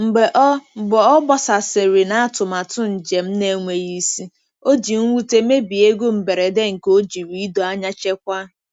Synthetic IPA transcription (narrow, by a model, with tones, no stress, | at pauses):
m̩˨ɡ͡be˨ʔɔ˦˨bɔ˨ɔ˦bɔ˦sa˨se˨ɾɪ˨na˨a˦tʊ˨ma˨tʊ˦n̩˨d͡ʒe˨m̩˦ne˦ŋʷe˨ji˦si˦ | o˦d͡ʒi˨ŋ̩˦wu˦te˦me˦bi˨e˦ɡo˦m̩˨be˨ɾe˨de˦ŋ̩˨ko˦d͡ʒi˨ɾi˦i˦do˨a˦ɲa˦t͡ʃe˦kʷa˦